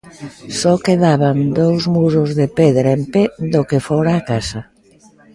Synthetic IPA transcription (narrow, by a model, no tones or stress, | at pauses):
sɔkeðaβand̪owzmuɾʊzðepeðɾaemped̪okefɔɾaːkasɐ